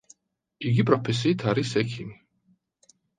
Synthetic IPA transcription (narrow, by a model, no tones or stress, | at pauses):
iɡipʼɾɔpʰɛs̬iːt̪ʰaɾisɛkʰimi